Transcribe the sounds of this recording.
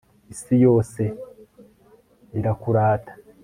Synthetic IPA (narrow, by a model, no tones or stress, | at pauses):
isijo̞ːse̞ | iɾakuɾaːtʰḁ